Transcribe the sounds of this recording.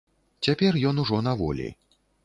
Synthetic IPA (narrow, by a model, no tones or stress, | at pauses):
t͡sʲapʲɛrjɔnuʐɔnavɔ̰lʲḭ